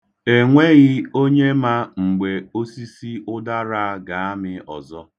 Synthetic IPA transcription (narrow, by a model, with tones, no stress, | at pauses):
e˨ŋʷe˦ɣɪ˦o˦ɲe˦ma˦ŋ͡m̩˨ɡ͡be˨o˦si˦si˦ʊ˦da˦ɾa˦ɡa˨a˦mɪ˦ɔ̰˨zɔ˦